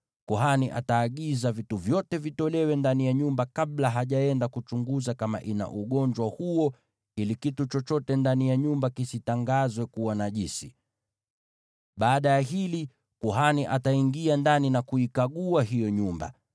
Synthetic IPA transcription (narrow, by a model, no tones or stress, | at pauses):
kuɦaniʔa̰taːɠizavituvjɔtɛvitɔlɛwɛndanijaɲumbakaɓlaɦaʄaɛndakut͡ʃuŋɡuzakama̰ʔina̰ʔuɠɔɲd͡ʒwahuɔ | ilikitut͡ʃɔt͡ʃɔtɛndanijaɲumbakisitaŋɡazwɛkuwanaʄisi | ɓaːɗajaɦili | kuɦaniʔataiŋɡiandaninakuikaɠuaɦijɔɲumba̰